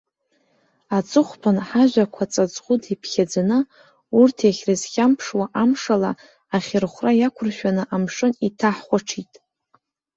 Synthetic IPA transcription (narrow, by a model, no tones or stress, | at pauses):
at͡sʼɨχʷpʰanħaʒʷakʷʰat͡sʼat͡sʼχʷudipʰχʲad͡zanɨ | urtʰeχʲrɨzχʲampʰʂwaʔamʂala | aχʲɪrχʷrajakʷʰʊrʃᶣanɨʔamʂɨnitʰaħχʷaʈ͡ʂʰitʼ